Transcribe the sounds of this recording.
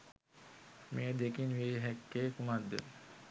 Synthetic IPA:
meːd̪ekinʋeːɦɛkːeːkumad̪ːə̰

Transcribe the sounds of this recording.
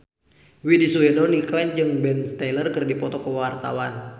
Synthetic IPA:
widisuɛdɔniklɛnd͡ʒɨŋbɛnst̪ɛlərkɨrdipɔt̪ɔkəwart̪a̰wan

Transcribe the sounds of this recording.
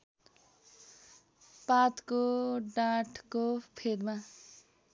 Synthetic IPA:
pat̪koɖaʈʰkopʰed̪ma

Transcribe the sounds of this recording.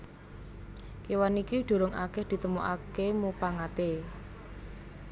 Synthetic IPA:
kewanikiɖ̪̥o̤ɾʊŋʔa̰kɛhd̪̥i̤t̪əmuʔakemupaŋat̪e

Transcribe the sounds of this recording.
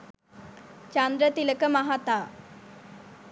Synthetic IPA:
t͡ɕand̪ɾət̪iləkəmaɦat̪aː

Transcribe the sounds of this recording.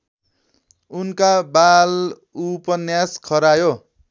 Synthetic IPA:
unkabal | upʌnjaskʰʌɾajo

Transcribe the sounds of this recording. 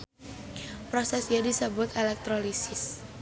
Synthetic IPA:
pɾosɛsiadisəbʊt̪elɛk̚t̪ɾolisɪs

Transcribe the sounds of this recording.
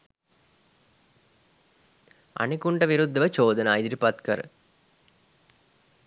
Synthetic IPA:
ɐ̰ɳikuɳɖɐʋiɾud̪ːɐʋɐt͡ʃoːd̪ɐnaːjd̪ɾipɐt̪kɐɾ

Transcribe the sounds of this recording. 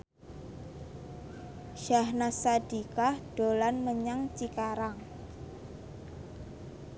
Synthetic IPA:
ʃahnasad̥i̤kahɖ̥o̤lanməɲaŋt͡ʃikaɾaŋ

